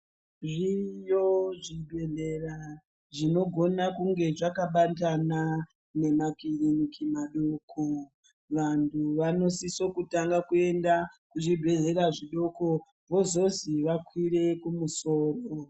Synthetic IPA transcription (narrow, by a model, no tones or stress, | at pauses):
ʐijoʐidʱweɮera | ʐino̞ɡʱo̞nakuŋɡe̞ʐakaɓantana | ne̞makiɾinikimaɗokʰo | ʋantʰuʋano̞sisokutaŋɡakue̞ndakuʐidʱwe̞ɮe̞ɾaʐiɗo̞ko̞ | βo̞zo̞ziʋakwiɾe̞kumuso̞ːro